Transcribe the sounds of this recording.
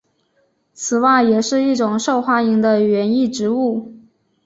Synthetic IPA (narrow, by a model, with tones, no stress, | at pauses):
t͡sʰɹ̩˨˩wa˥˩ɪjɛ˨˩ʂɻ̩˥˧i˥˩ʈ͡ʂʊ˨˩ŋʂo˥˧ʊxwa˥ni˧˥ŋd̪ə˧ɥɛ˧˥ni˥˩ʈ͡ʂɻ̩˧˥u˥˩